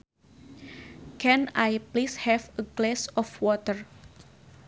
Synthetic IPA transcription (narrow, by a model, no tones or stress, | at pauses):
kɛ̃najplishɛfəɡlɛsɔfwɔt̪ər